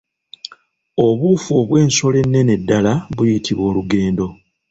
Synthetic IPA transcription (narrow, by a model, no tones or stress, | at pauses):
o̞βuːfo̞ːβwe̞ːnso̞le̞nːe̞ne̞dːalaβujitʰiβo̞ːluɡe̞ːndo̞